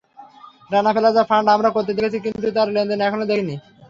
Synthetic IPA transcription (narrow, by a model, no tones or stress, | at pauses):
ɾanafelad͡ʑafaɳɖamɾakoɾt̪̬ed̪ekʰet͡ɕʰikint̪ut̪aɾlend̪enɛkʰonod̪ekʰini